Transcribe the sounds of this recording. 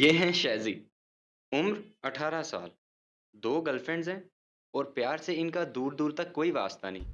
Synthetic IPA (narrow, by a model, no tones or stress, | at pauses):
jeːɦɛ̃ʃɛːziː | ʊmɾɐʈʰaːɾasa̰ːl | d̪oːɡɐlfẽɳɖzɦɛ̃ː | ɔːɾpjaːɾseɪnkad̪uːɾd̪uːɾt̪ɐkːoːiʋaːst̪anɐɦĩː